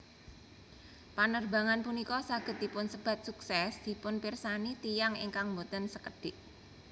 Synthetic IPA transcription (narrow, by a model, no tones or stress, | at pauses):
panərba̤ŋanpunikɔsaɡ̥ə̤t̪̚dipʊnsəb̥a̤t̪̚suksɛsd̪̥i̤pʊnpɪrsanit̪ijaŋɪ̰ŋkaŋmot̪ənsəkəɖ̥ɪʔ